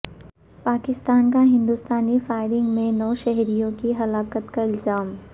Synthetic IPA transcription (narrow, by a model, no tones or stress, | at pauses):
paːkɪst̪aːnkaɦɪ̃nd̪ust̪aːnifaːɪɾɪ̃ŋɡmẽnɔːʃɛɦɾijõkiɦɐlaːkət̪kaɪlzaːm